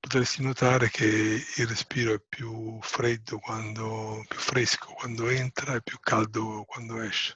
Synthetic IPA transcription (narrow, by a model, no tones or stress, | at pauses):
pot̪esːinot̪aːɾek̟ʰeilrespiːɾoɛpːjufɾed̪ːokwand̪opːjufɾeskʰo̥kwand̪oent̪ɾaɛpːjukʰːald̪okwand̪oɛʃːe̥